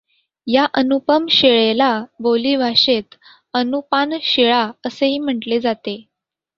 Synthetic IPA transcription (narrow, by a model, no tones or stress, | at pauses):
jaʔənupəmɕeɭelaboliːʋʱaɕet̪ | ənupanɕeɭaəseɦiːm̤əʈled͡zat̪e